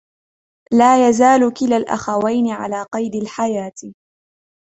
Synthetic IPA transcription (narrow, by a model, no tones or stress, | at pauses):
laːjazaːlʊkɪlalʔa̰xawajnɪʕa̰laːqɑjd̪alħajaːt̪